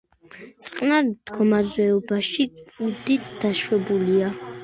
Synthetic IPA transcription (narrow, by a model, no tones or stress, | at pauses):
t̪sʼqʼnaɾd̪̥ɡɔmaɾzɛɔbaʃiud̪it̪d̪̥aʃwɛbulia